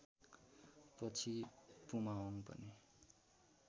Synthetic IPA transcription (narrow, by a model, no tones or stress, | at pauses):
pʌt͡sʰipumaoŋpʌ̰ni